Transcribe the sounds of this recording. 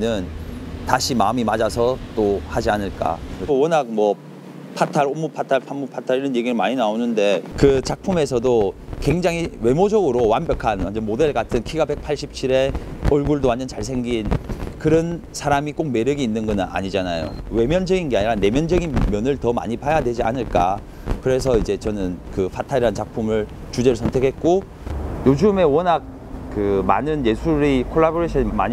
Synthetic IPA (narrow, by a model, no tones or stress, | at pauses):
nɯntaɕʰimaɯmimad͡ʑasʰʌt͈ohad͡ʑianɯɭk͈a̰ʌwʌnak̚mwʌ | pʰatʰaɾomːupʰatʰaɭpʰamːupʰatʰaɾiɾʌnje̞ɡiɾɯɭmaɲinaonɯnde̞kɯt͡ɕak̚pʰume̞s̬ʰʌdokwe̞ŋd͡ʑaŋiwe̞mod͡ʑʌɡɯɾowanbjʌkʰanwand͡ʑemode̞ɭɡatʰɯnkʰiɡabe̞k̚pʰaɭɕ͈ʰip̚t͡ɕʰiɾe̞ʌɭɡuɭdoanːɯnt͡ɕaɭsʰe̞ŋɡinkɯɾʌnsʰaɾamik͈ok̚me̞ɾjʌɡiːnːɯnɡʌna̰ɲid͡ʑanajo̰we̞mjʌnd͡ʑʌɡinɡe̞aɲiɾane̞mjʌnd͡ʑʌɡinmjʌnɯɭtʌma̰ɲipajadwe̞d͡ʑia̰nɯɭk͈a | kɯɾe̞sʰʌid͡ʑe̞t͡ɕʌnɯnkɯɸʰatʰaɾiɦant͡ɕak̚pʰumɯɭ | t͡ɕud͡ʑe̞ɾɯɭsʰʌntʰe̞kʰe̞t̚k͈o | jod͡ʑɯme̞wʌnak̚ | kɯma̰nɯnje̞sʰuɾikʰoɭːaboɾeɕʰʌnima̰ɲi